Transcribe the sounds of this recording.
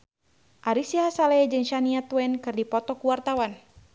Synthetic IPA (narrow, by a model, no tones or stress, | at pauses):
ʔaɾisiɦasalɛad͡ʒɨŋʃaniat̪wɛnkɨrdipɔt̪ɔkuwart̪awan